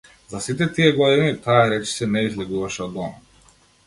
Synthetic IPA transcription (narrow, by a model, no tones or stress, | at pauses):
zasit̪ɛt̪ijɛɡlɔd̪init̪aaɾɛt͡ʃi̥sɛnɛizlɛɡuvaʃɛɔd̪ɔma